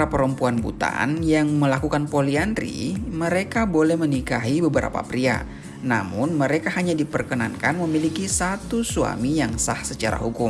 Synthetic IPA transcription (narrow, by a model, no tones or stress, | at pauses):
apəɾəmpuanbṵt̪a̰njaŋməlakukanpolianrḭməɾekabolɛhmənikaɦibəbəɾa̰pa̰pɾia̰ | na̰mʊnməɾekaɦaɲadipərkəna̰nkanməmilikisat̪usua̰mijaŋsahsət͡ʃa̰ɾa̰ɦukʊm